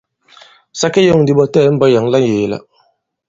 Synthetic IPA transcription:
sa˦ke˦jo˦˨ŋ˨di˨bɔ˦tɛː˦˨˦m̩˦bɔ˦ja˨˦ŋ˦la˦njeː˨˦la̰˦

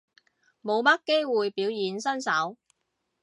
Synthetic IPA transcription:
mo˨˧wmɐ˥kkːe˥jwuː˨jpiː˨˥wjiː˨˥nsɐ˥nsɐ˨˥w

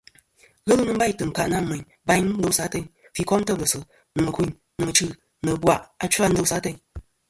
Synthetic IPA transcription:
ɣə˦lɨ˦nɨ˦m̩˦ba˦jtɨ˨ŋ̩˨ka˨ʔna˦˨mə˨ɲ | ba˦jɲ˦n̩˦do˨˦sa˨˦te˦ɲ | fi˨kɔ˦mtə˦˨lə˨sɨ˨ | nɨ˨mɨ˨ki˦ɲ | nɨ˨mɨ˨t͡ʃɨ˦˨ | nɨ˨bwa˨ʔa˨˦t͡ʃa˦n̩˦do˦sa˦te˦ɲ

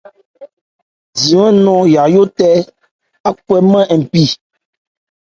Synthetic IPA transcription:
d͡zi˨ɛ̃˦nɔ̃˦ja˨jo˦tɛ˦ | a˦kwɛ˦mɛ̃˦ɛ˨pi˦

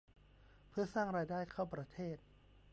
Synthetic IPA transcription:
pʰɯ˥˩ɐsaː˥˩ŋɾaː˧jdaː˥˩jkʰa˥˩wpɾa˧t̪ʰeː˥˩t̪̚

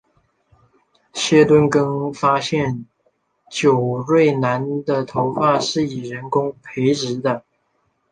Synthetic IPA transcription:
ɕjɛ˥t̪wə˥nkɤ˥ŋfa˥ɕjɛ˥˩n | t͡ɕjo˨˩ʊɻwe˥˩ɪna˧˥nd̪ə˨t̪ʰo˧˥ʊxa˥˧ʂɻ̩˥˩i˨˩ɻə˧˥nkʊ˥ŋpʰe˧˥ɪʈ͡ʂɻ̩˧˥d̪ə˧

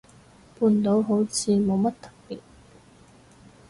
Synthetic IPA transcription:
puː˧nt̪o˨˥wɦo˨˥wt͡sʰiː˨˧mo˨˧wmɐ˥t̚t̪ɐ̥˨˩p̚pḭː˨t̚

